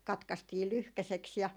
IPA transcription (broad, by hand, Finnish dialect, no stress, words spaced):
kɑtkɑstiː lyhkæseks jɑ